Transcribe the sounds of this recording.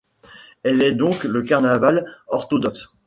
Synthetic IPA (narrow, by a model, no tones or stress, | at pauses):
ɛlɛd̪ɔ̃kləkaʁnavalɔʁt̪ɔd̪ɔks